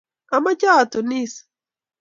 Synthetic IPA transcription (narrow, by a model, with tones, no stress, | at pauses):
a˨ma˦t͡ʃa˦˨t̪o˨ni˦s